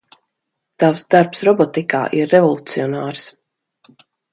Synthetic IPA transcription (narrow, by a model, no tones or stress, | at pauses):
t̪awsd̪aɾpsɾɔbɔt̪ika̰ːʔiɾːɛvɔlˠut̪siɔnaːɾs